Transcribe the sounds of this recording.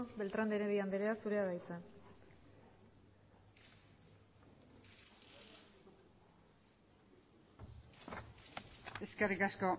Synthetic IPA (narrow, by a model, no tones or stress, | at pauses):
be̞lt̪ɾand̪eɾeðiand̪eɾeasuɾe̞aβajt͡sen | e̞skerikasko̞